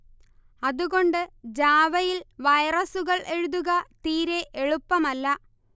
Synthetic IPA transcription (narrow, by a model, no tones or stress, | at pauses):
ɐðuɣo̞ɳɖɨd͡ʑaːʋɐjilʋɐjrɐsuɣɐɭʔe̞ɻuðuɣɐt̪iːɾe̞ʔeɻupːɐmɐlːɐ